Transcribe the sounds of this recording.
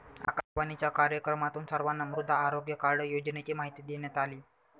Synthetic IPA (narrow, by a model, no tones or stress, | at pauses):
a̰kaʃʋanit͡ɕjakaɾjəkɾəmat̪uːnsəɾʋanːamɾud̪ʱːaːɾoɡjəkaɾɽəjod͡ʑnet͡ɕiːmaɦit̪iːd̪eɳjat̪aliː